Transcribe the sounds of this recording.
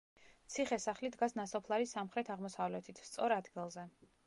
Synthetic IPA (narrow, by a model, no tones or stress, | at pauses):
t̪sʰiχɛsaχlid̪ɡasnasɔpʰlˠaɾisamχɾɛt̪ʰaʁmɔsavlɛt̪ʰit̪ʰst̪sʼɔɾad̪ɡilˠzɛ